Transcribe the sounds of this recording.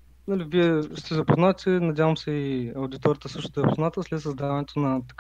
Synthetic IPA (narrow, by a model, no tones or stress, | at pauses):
naliviɛst̪ɛzɐpoznat̪ʲɛnɐd̪ʲavəmsɛiɐwd̪it̪ɔɾət̪əsɤʃt̪ot̪zpoznat̪əslɛt̪səzd̪avɐnɛt̪onɐt̪ɐ̥k